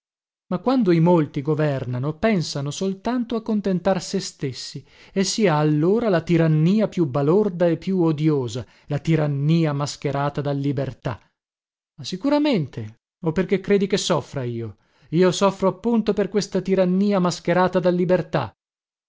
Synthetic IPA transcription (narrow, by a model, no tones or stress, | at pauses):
makwand̪oimolt̪iɡovɛrnanopɛnsanosolt̪ant̪oakːont̪ent̪arsest̪esːi | esːiːaːlːoːɾalat̪iɾanːiːapjubːalord̪aepːjuod̪joːza | lat̪iɾanːiːamask̟eɾaːt̪ad̪alːibert̪a̰ | asːikuɾament̪ʰe | opːerkekːɾeːd̪ikesɔfːɾaiːo | iːosɔfːɾoapːunt̪operkwest̪at̪iɾanːiːamask̟eɾaːt̪ad̪alːibert̪a̰